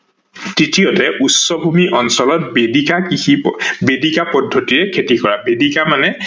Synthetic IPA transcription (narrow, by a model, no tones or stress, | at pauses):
tɹitijɔtɛʔutsɔbʱumiʔɔnsɔlɔtbdikakiibedikapɔdʱːɔtiɹɛkʰetikɔɹabedikamanɛ